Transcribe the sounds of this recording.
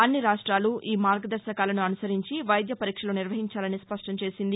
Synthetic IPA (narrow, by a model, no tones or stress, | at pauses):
ɐnːiɾaːʂʈɾaːluʔiːmaːɾɡɐd̪ɐɾʃɐkaːlɐnuɐnusɐɾiɲt͡ʃiʋɐjd̪jɐpɐɾiːkʂɐloːniɾʋɐɦiɲt͡ʃaːlɐnispɐʂʈɐmt͡ʃe̞ːsind̪i